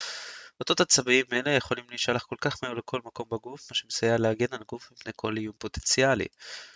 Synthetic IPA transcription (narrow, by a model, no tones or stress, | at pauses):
ot̪o̞t̪at͡sabiime̞le̞jeχo̞limliʃalaχko̞lkaχmeulekʰo̞lmako̞mbaɡufmaʃemesajaleaɡenalɡufmipne̞jkʰo̞lijumpo̞t̪ent͡sialḭ